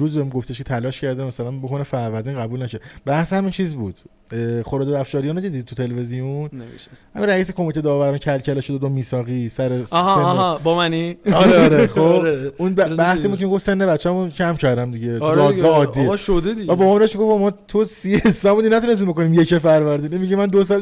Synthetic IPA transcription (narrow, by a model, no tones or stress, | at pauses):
ɾuːzbeɡoft̪ʰeʃkʰet̪ʰælɒːʃcʰæɾd̪emæsælænbokʰonefæɾvæɾd̪iːnʁæbuːlnæʃobæhsehæmint͡ʃʰiːzbuːd̪̥ | χoɾɒːd̪eæfʃɒːɾijɒːneced̪id̪it̪ʰut̪ʰe̞levezijonneʃhæ̰minræiːsekʰo̞mit̪ʰe̞d̪ɒːvæɾɔncʰælcʰæleʃod̪ed̪omiːsɒːɣiːsæɾesebɒmæniɒɾeɾeχoeunbæbæhsiːbud̪̚cʰemiɡofsenːe̞βæt͡ʃːæmuncʰæmcʰæɾd̪æmd̪iɟet̪uɾd̪ɒːd̪ɡɒɒːd̪ːieʃod̪ed̪iæbɒːmɔmɾeeʃiɡofomɒːt̪ʰusiesfæmbud̪inæt̪unes̬t̪imbokoniːmjecefæɾvæɾd̪ininmiɟimænd̪os̬ɒl